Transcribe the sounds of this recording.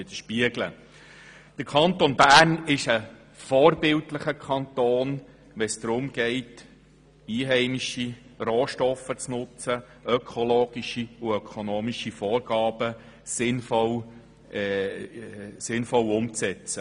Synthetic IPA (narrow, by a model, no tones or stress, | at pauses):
ɪd̥̪əʃpiəɡlə | d̥əɾkʰɑnt̪onbæːrnɪʃə | fɔːrbɪltləχəkʰɑnt̪oːn | ʋɛsd̥̪ɾʊmɡ̥ɛɪt | iːɦɛɪmiʃiroːʃtɔfət͡snʊt͡sə | œkʰɔloːɡ̥iʃiuœkʰonoːmiʃifɔːɾɡ̥ɑːb̥ə | sɪnfɔlː | sɪnfɔlʊmt͡sɛt͡sə